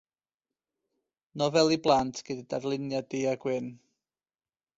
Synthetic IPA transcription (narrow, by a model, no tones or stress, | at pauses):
nɔvɛlˠiblˠantʰɡ̥ədidarlˠɪnjadiaɡwɪn